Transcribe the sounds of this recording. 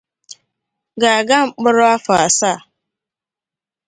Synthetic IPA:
ɡaː˨ɡa˦m̩˨k͡pʊ˦ɾʊ˦a˦fa˨a˨sa˦˨

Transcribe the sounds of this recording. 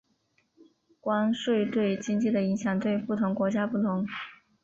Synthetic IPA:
kwa˥nʂwe˥˧ɪt̪we˥˩ɪt͡ɕi˥ŋt͡ɕi˥˩d̪ə˩i˧˥ŋɕjɑ˨˩ŋt̪̬we˥˩ɪpu˥˩t̪ʰʊ˧˥ŋkwɔ˧˥t͡ɕja˥pu˥˩t̪ʰʊ˧˥ŋ

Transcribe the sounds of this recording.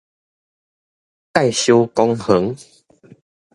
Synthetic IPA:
k̪a˥˨jɕo˦kɔ˧ŋhə˨˦ŋ

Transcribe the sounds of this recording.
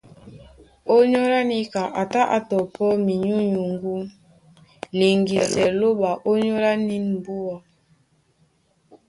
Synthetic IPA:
o˦ɲɔ˦ɾa˦ni˦ka˨ʔa˨ta˦ʔa˨tɔ˨pɔ˦mi˨ɲu˦ɲu˨ŋɡu˦ | li˨ŋɡi˨sɛ˨lo˦ɓa˨ʔo˦ɲɔ˦ɾa˦ni˦nm̩˨bu˦ɔ˨

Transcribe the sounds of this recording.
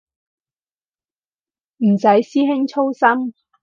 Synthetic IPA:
m̩˨˩sɐ˨˥jsiː˥ɦɪ˥ŋt͡ʃʰo˥wsɐ˥m

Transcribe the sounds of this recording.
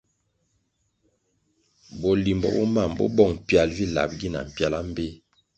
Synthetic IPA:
bɔ˨li˨mbɔ̰˨bɔ˦ma˦˨mbɔ̰˦bɔ˦˨ŋ˨pja˨lvi˦la̰˨p̚ɡi˦˨na̰˨m̩˨pja˦la˦m̩˦be˦

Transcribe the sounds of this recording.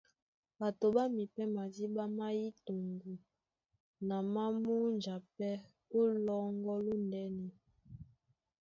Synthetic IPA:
ba˨to˨ba˦mi˨pɛ˦ma˨di˦ba˦ma˦ji˦to˨ŋɡu˨ | na˨ma˦mu˦nd͡ʒa˨pɛ˦ | o˦lɔ˦ŋɡɔ˦lo˦ndɛ˦nɛ˨

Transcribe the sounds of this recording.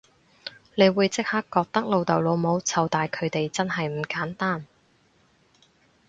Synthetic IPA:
le˨˧jwuː˨˧jt͡sɪ˥k̚ha˥kːɔː˧k̚t̪ɐ˥k̚lo˨wt̪ɐ˨wlo˨˧wmo˨˧wt͡sʰɐ˨˧wt̪aː˨jkʰɵ˨˧ɥt̪e˨jt͡sɐ˥nɦɐ˨jm̩˨˩kaː˨˥nt̪aː˥n

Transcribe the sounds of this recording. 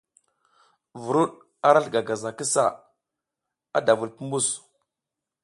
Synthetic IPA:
vu˨ɾu˦ɗ | a˦ɾa˦ɬɡa˨ɡa˨za˨ki˦sa˦˨ | a˦da˨vu˨lpu˦mbu˦˨s

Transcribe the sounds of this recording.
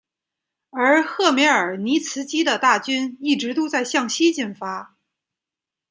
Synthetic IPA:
ə˞˧˥xɤ˥˩me˧˥ə˞˨˩ni˧˥t͡sʰɹ̩˧˥t͡ɕi˥d̪ə˨t̪a˥˩t͡ɕy˥ni˥˩ʈ͡ʂɻ̩˧˥t̪u˥t͡sa˥˧ɪɕjɑ˥˩ŋɕi˥t͡ɕi˥˩nfa˥

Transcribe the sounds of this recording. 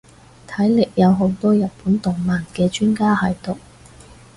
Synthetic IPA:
t̪ʰɐ˨˥jlɪ˨k̚jɐ˨˧wɦo˨˥wt̪ɔː˥jɐ˨t̚puː˨˥nt̪ʊ˨˩ŋmaː˨˩nkɛː˧t͡ʃyː˥nkaː˥hɐ˨˩jt̪ʊ˨k̚

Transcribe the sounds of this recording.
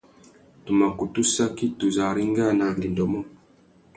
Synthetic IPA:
tu˨ma˨ku˨tu˦sa˦ki˦tu˨za˨ɾi˦ŋɡa˦na˨li˨ndɔ˨mɔ˦

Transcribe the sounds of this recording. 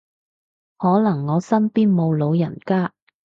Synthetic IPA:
hɔː˨˥lɐ˨˩ŋːɔː˨˧sɐ˥npiː˥nmo˨˧wlo˨˧wjɐ˨˩nkaː˥

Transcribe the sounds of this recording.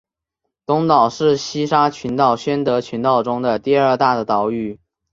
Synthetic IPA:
t̪ʊ˧˥ŋt̪ɑ˨˩ʊʂɻ̩˥˩ɕi˥ʂa˥t͡ɕʰy˧˥nt̪ɑ˥˩ʊɕɥɛ˥nt̪ɤ˧˥t͡ɕʰy˧˥nt̪ɑ˥˩ʊʈ͡ʂʊ˥ŋd̪ə˨t̪i˥˧ə˞˥˧t̪a˥˩d̪ə˩t̪ɑ˧˥ʊy˥˩

